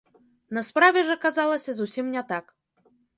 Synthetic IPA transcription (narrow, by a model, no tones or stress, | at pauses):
nɐspɾavʲɛʐɐkazalˠɐsʲɐzusʲimnʲɛt̪ak